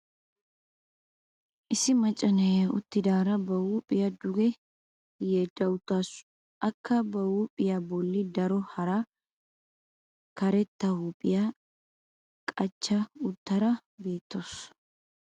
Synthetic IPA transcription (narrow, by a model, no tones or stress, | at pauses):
ʔɪsɪmɐt͡ʃʼːɐnɛɐʊ̰t̪ːɪd̪aːɾɐbɐhuːpʼɪjɐd̪ʊɡɛ | jed̪ɐwʊt̪ːas | ʔɐkːɐbɐwuːpʼɪjabɔlːɪd̪ɐɾɔhɐɾa | kɐɾɛt̪ːɐhuːpʼɪja | kʼɐt͡ʃːɐʊt̪ːɐɾɐbe̞ːt̪ːoːs